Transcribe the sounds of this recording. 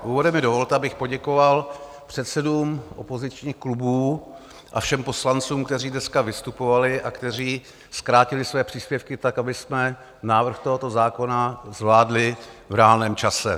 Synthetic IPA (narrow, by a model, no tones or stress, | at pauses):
ʔuːvodɛmɪdovo̞lt̪ɛabɪxpo̞ɟɛko̞val | pr̝̥ɛt̪sɛduːmʔopo̞zɪt͡ʃɲiːxklubuː | ʔa̰fʃɛmpo̞slant͡suːmkt̪ɛriːdnɛskavɪst̪upo̞valɪʔakt̪ɛriː | skɾaːcɪlɪsvɛːpr̝̥iːspjɛfkɪt̪akabɪsmɛ | naːvr̩xt̪o̞ɦo̞t̪o̞zaːko̞nazvlaːdlɪvɾɛaːlnɛːmt͡ʃasɛ̰